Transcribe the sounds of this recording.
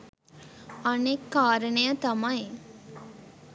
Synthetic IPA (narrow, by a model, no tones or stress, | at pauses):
ɐnekːaːɾənəjət̪ɐmɐj